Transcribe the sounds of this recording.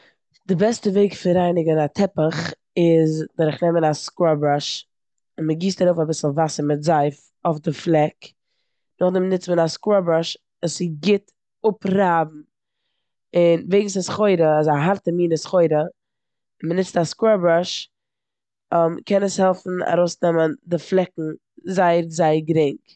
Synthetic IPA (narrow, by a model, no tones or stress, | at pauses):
dɪbɛstəveɪkfɪɾaɪnɪɡənatʰɛpəχ | ɪzdɔɾɪχnɛmənaskwɔbɾaʃ | ɪnməɡiːstaɾoʊfabɪsl̩ˠvasəɾmɪtzaɪf | ofdɪflˠɛk | nʊχdɛmnɪt͡stmənaskwɔbɾaʃ | usɪɡɪt | ʊpɾaːbm̩ | ɪnveɪɡŋ̩sɪsχoɪɾəɪzaɦaɾtəmiːnəsχoɪɾə | ɪnmənɪt͡staskwɔbɾaʃ | mkʰɛnəshɛlˠfn̩a̰ɾoʊsnɛməndɪflˠɛkŋ̩ | zaɪəɾzaɪɡɾɪŋk